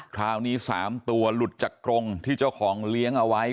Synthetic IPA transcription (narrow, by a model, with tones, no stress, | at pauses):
kʰɾaː˦˥wniː˦˥saː˩˦mt̪u˧ɐlu˨˩t̪̚t͡ɕa˨˩kːɾo˧ŋt̪ʰiː˥˩t͡ɕa˥˩wkʰɔː˩˦ŋli˦˥əŋʔa˧wa˦˥j